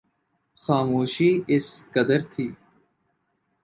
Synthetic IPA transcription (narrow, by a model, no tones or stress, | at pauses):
xaːmuːʃiːɪskɐd̪əɾt̪ʰiː